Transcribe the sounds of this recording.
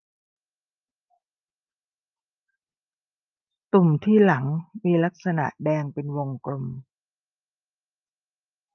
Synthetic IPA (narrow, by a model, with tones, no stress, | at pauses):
t̪u˨˩mt̪ʰiː˥˩la˩˦ŋmiː˧la˦˥k̚sa˧na̰˨˩ʔdɛː˧ŋpe˧nwo˧ŋkɾo˧m